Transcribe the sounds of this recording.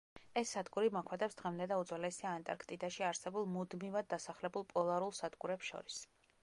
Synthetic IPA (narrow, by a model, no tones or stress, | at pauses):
ɛsːad̪ɡuɾimɔkʰwɛd̪ɛpsd̪̥ʁɛmd̪ɛd̪aud̪zwalɛsiaːnt̪ʼa̰ɾkʰt̪ʼid̪aʃiaɾsɛbulˠmud̪mivad̪̚ːasaχlɛbulˠpʼɔlˠaɾulˠsad̪ɡuɾɛpsʃɔ̰ɾis